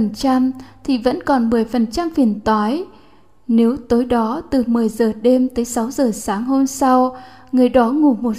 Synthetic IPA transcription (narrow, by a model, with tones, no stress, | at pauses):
ə˨˩nt͡ɕa˧mt̪ʰi˨˩və̰˧˥nkɔ˨˩nmɨ˨˩əjfə˨˩nt͡ɕa˧mfi˨˩ənt̪waː˨˦j | ne˨˦wt̪o˨˦jɗɔ˨˦t̪ɨ˨˩mɨ˨˩əjzəː˨˩ɗe˧mt̪əː˨˦jsa˨˦wzəː˨˩saː˨˦ŋɦo˧nsa˧w | ŋɨ˨˩əjɗɔ˨˦ŋu˧˩mo˨˩t̚